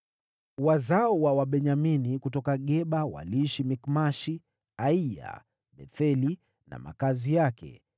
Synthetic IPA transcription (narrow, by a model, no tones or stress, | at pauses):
wazaɔwawaɓɛɲaminikutɔkaɠɛɓawa̰liʃimikmaʃi | aija̰ | ɓɛθɛli | na̰ma̰kazijakɛ̰